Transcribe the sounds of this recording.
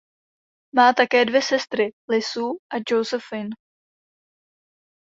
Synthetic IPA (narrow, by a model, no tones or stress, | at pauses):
maːt̪akɛːdvjɛsɛst̪ɾɪlɪsuːʔad͡ʒowzɛfɪn